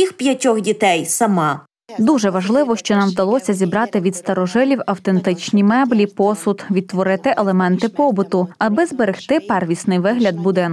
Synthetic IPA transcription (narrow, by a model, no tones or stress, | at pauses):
ixpʲjɐtʲɔxdʲit̪ɛjsɐmɑ | d̪uʒɛʋɐʒlˠɪʋɔʃt͡ʃɔnɑmwd̪ɐlˠɔsʲɐzʲibɾɑt̪ɪʋʲid̪st̪ɐɾɔʒɪlʲiwɐwt̪e̞nt̪ɪt͡ʃnʲimɛblʲipɔsʊt̪ʋʲid̪̚t̪ːʋɔɾɪt̪ɪʔelˠemɛnt̪ɪpɔbʊt̪ʊɐbɪzbeɾɪxt̪ɪpɛrʋʲisnɪjʋɪɦlʲɐd̪̚bʊd̪ɪnk